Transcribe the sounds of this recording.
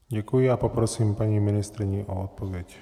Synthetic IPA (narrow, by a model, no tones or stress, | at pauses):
ɟakujiapɔpɾɔsiːmpaɲiminist̪ɾiɲiʔɔɔt̪̚pɔʋɛc